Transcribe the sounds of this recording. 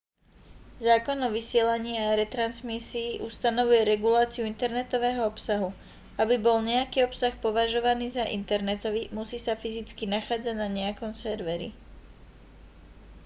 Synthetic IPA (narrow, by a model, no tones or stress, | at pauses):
zaːkɔnɔʋisɪɛlaɲiːaɾɛt̪ɾansmisiːʔust̪anɔʋujɛɾɛɡulaːt͡siuint̪ɛɾnɛt̪ɔʋɛːɦɔɔpsaɦu | abibɔlɲɛakiːɔpsaxpɔʋaʒɔʋaniːzaʔḭnt̪ɛɾnɛt̪ɔʋimusiːsafizit͡skinaxaːd͡zaɟnaɲɛakɔmsɛɾʋɛɾḭ